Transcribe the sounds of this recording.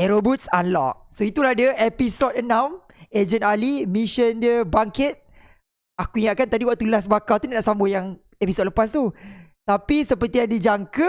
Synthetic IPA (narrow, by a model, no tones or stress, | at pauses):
ɛɾobut̪̚sanlɔ̰ʔ̚soit̪ulahdəepisɔt̪̚ənãm | ed͡ʒənalimĩʃəndiəbaŋkɪt̪̚ | akuiŋaʔ̪̚kant̪adiwaʔt̪uləlas̬bakat̪unanaʔsambojaŋ | episot̚ləpas̬t̪ut̪apisəpərt̪ijaŋdid͡ʒaŋkə